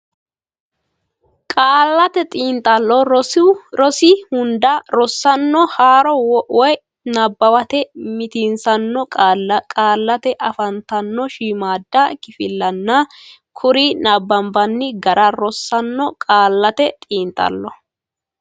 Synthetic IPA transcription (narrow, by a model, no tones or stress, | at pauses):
kʼaːlːɐt̪ɛt̪ʼiːnt̪ʼɐlːɔ | ɾɔsɪhʊnd̪ɐɾɔsːɐnːɔhaːɾɔwɔʔɔj | naːbːɐwɐt̪ɛmɪt̪ɪnsɐnːɔkʼaːlːɐt̪ɛʔɐfɐnt̪ɐnːɔʃiːmaːd̪ːɐkɪfɪlːɐnːɐ | kʰʊɾinaːbːɐmbɐnːɪɡɐɾʔɐɾɔsːɐnːɔkʼaːlːɐt̪ɛt̪ʼiːnt̪ʼɐ̰lːɔ